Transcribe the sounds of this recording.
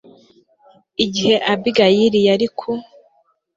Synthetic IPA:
iɟihe̞ʔabiɡajiɾijaɾikʰu

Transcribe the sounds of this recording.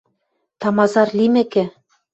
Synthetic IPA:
t̪ɑmɑzɑrlimɘ̆kɘ̆

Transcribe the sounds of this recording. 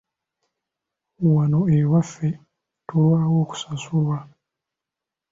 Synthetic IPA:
uwanoewafe | towawoku̥sasuwa

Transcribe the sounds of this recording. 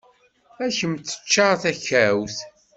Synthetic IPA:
æçəmt͡sːə̥t͡ʃːɑʁθæçæwθ

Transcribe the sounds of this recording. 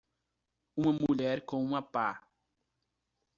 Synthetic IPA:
ũmɐmuʎɛɾkõũmɐpa

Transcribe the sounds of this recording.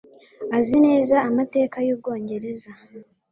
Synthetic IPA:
azine̞ːzaːmate̞ːkajuːb̚ɡo̞ːɲɟe̞ɾe̞za

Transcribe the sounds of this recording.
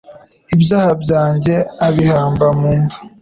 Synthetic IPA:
ibjaːhabɟaːɲɟe̞aβihaːmbamuːma

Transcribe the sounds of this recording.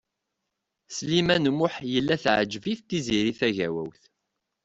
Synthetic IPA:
slimænmʊħjəlːæθʕd͡ʒəviθt̪iziɾiθæʝæwæ̰wθ

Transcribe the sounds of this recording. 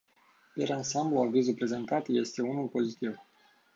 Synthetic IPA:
peɾansambluavizulpɾe̞ze̞nt̪at̪je̞st̪e̞unulpo̞zit̪iv

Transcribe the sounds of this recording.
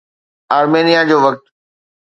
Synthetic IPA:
aːɾmeːnijad͡ʑoːʋɐk̚t̪

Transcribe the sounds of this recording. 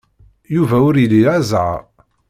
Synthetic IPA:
juvæʊɾjəliazʕa̰

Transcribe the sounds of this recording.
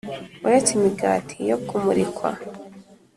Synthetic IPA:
uɾet͡simiɡaːtʰijokʰumuɾikwa̰

